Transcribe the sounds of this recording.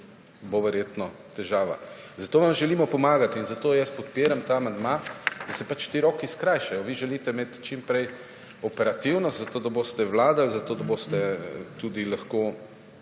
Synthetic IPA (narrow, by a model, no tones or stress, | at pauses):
boʋɛɾjeːt̪nɔ | t̪ɛʒaːʋa̰ | zat̪oːʋamʒɛliːmɔpɔmaːɡat̪inzat̪oːjɛspɔt̪̚piːɾamt̪aːamand̪mad̪̥ɐsɛpat͡ʃʃt̪iɾɔːkiskɾajʃɛjɔʋiʒɛliːt̪ɛmeːt̪t͡ʃimpɾɛj | ɔpɛɾat̪iwnɔst̪zat̪oːd̪aboːst̪ɛwlaːd̪alzat̪oːd̪aboːst̪ɛt̪ud̪ilaxko